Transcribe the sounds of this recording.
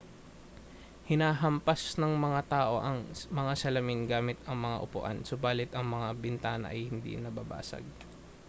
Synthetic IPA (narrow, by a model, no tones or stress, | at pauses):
hɪnaːɦɐmpɐsnɐŋmɐŋat̪aːʔo̞ʔɐŋmɐŋasɐlɐmɪnɡaːmɪt̪ɐŋmɐŋa̰ʔʊpʊ̰ʔa̰nsʊbaːlɪt̪ɐŋmɐŋabɪnt̪aːnɐ̰ʔɐ̰jhɪnd̪ḭnɐbaba̰ːsɐ̰ɡ̚